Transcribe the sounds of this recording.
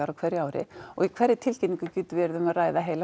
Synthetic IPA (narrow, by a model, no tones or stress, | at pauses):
aɾawkʰvɛrɾːjaːwɾɪ̰ɔ̰ɣikʰv̥ɛɾːɪt̪ʰɪlcɛt̪niŋkʏcyːt̪vɪɛɾðʏmaðraːjðaɦeːjla